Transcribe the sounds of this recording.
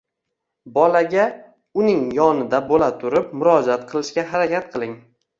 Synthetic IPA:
bɒlaɡʲa | ʊnɪŋjɒnɪd̪abolat̪ʰʊɾɪp̚mʊɾɒd͡ʒat̪̚qʰɨlˠɪʃkʲaɦaɾakʲat̪̚qʰɨlˠɪŋ

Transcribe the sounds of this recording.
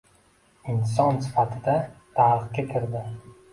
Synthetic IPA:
ɪns̬ɒnsɪ̥fat̪ʰɪd̪at̪ʰaɾqɡʲakʲʰɪɾd̪ɪ

